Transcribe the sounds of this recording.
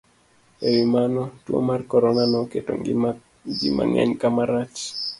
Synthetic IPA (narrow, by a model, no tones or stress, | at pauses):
ewimanɔtwo̰markɔɾɔnanɔketo̰ŋ | ɡɪma̰ŋa̰ɲkamaɾat͡ʃ